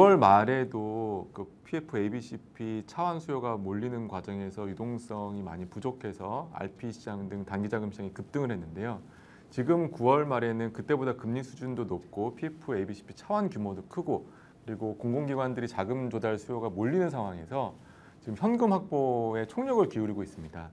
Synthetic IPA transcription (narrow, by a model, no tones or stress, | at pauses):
kuwʌɭmaɾe̞dokɯpʰiepʰɯe̞biɕʰipʰit͡ɕʰawansʰujoɡamoʎːinɯnkwad͡ʑʌŋe̞sʰʌjudoŋs͈ʌŋima̰ɲipud͡ʑokʰe̞sʰʌa̰ɭpʰiɕiɕaŋdɯŋtanɡid͡ʑaɡɯmɕɕaŋikɯp̚t͈ɯŋɯɭhe̞nːɯnde̞jo | t͡ɕiɡɯmkuwʌɭmaɾe̞nɯnkɯt͈e̞bodakɯmɲisʰud͡ʑundonop̚k͈opʰiepʰɯe̞biɕʰi̥pʰi̥t͡ɕʰawankjumodokʰɯɡo | kɯɾiɡokoŋɡoŋɡiɡwandɯɾit͡ɕaɡɯmd͡ʑodaɭsʰujoɡamoʎːinɯnsʰaŋɦwaŋe̞sʰʌ | t͡ɕiɡɯmçjʌnɡɯmhak̚p͈oe̞t͡ɕʰoŋɲʌɡɯɭkiuɾiɡois͈ɯmɲida